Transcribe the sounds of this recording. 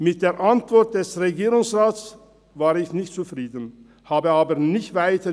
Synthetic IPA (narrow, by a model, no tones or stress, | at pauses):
mɪt̚d̥eːɐʔantv̥ɔɐt̚d̥ɛsʁeɡiːʁʊŋsʁaːt͡s | vaːʁɪçnɪçtt͡sufʁ̥iːdən̩ | haːbəaːbɐnɪçtv̥aɪtə